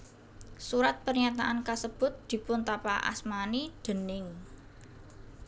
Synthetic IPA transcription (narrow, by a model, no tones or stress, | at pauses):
suɾat̪̚pərɲat̪aʔankasəb̥ʊ̤t̪̚d̪̥i̤pʊnt̪apaʔa̰smanid̪̥ə̤nɪŋ